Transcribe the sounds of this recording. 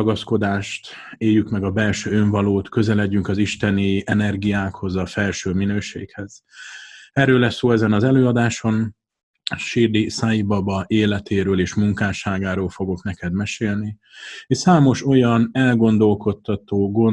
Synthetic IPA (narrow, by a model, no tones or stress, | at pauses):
ɡɒsko̞d̪aːʃt̪ | eːjːykmɛɡɒbɛlʃøːøɱvɒloːt̪kø̞zɛlɛɟːyŋkɒziʃt̪ɛniɛnɛrɡijaːkho̞zɒfɛlʃøːminøːʃḛːkhɛz̥ | ɛrøːlːɛsːoːɛzɛnɒzɛløːɒd̪aːʃo̞n | ʃird̪isaibɒbɒʔeːlɛt̪ʰeːɾøːleːʃmuŋkaːʃaːɡaːɾoːlfo̞ɡo̞knɛkɛd̪mɛʃeːlni | eʃsaːmo̞ʃo̞jɒnɛlɡo̞nd̪o̞lko̞t̪ːɒt̪oːɡo